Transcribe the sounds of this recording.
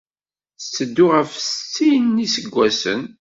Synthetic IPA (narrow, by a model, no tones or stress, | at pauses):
θt͡sːəd̪ːʊʁəfst͡sːinːisəɡʷːæsə̰n